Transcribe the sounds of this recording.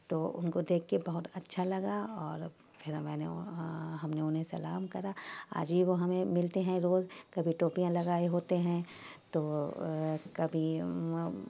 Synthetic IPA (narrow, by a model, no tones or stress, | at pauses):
t̪oːʊ̰nkod̪eːkʰːebɐɦʊt̪ɐtːʃʰalɐɡaɔːɾ | pʰɪɾmɛ̃ːneɦɐmneʊnɦẽsɐlaːmkɐɾaa̰ːd͡ʒbʱiʋoɦɐmẽmɪlt̪eɦɛ̃ɾoːzkɐbʱiʈoːpijãlɐɡaːeɦoːt̪eɦɛ̃t̪oː | kɐbʱi